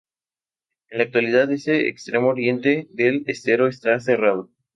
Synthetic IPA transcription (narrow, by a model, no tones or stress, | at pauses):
enlak̚t̪waliðaðeseḛkst̪ɾemooɾje̞nt̪eðelest̪eɾo̞est̪ase̞rað̞o̞